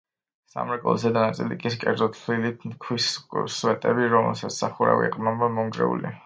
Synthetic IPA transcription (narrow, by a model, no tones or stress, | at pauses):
sa̰mɾɛkʼɔ̰lˠzɛd̪anat̪sʼilḭkʼiskʼɛɾd̪zɔt̪ʰlilit̪ʰmkʰwisswɛt̪ʼɛbiɾɔmɛ̰lˠsat̪sʰsaχuɾa̰vḭqʼnamamɔŋɡɾɛ̰ṵlḭ